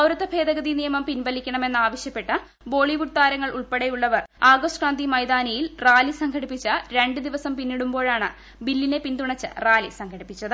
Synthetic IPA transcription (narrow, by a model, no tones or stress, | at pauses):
ɐwɾɐt̪ːɐbʱe̞ːd̪ɐɡɐðinijɐmɐmpinbɐlikʲːɐɳɐme̞nːɨaːʋɐɕjɐpːe̞ʈːɨ | bo̞ːɭiʋuʈ̚t̪aːɾɐŋːɐɭʔuɭpeɽejuɭːɐʋɐraːɡosʈkraːnd̪imɐjd̪aːnɐjilraːlisɐŋɡʰʱɐɽipːit͡ɕːɨɾeɳɖɨd̪iʋɐsɐmpinːiɽumbo̞ːɻaːɳɨ | bilːine̞pint̪uɳɐt͡ɕːɨ̰raːlisɐŋɡʱɐɽipːit͡ɕːɐðɨ